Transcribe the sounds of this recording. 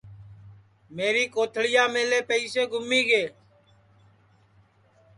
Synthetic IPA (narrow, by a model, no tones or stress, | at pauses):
meːɾiːkoːt̪ʰɽɪjaːmeːleːpəiːseːɡʱʊmiːɡeː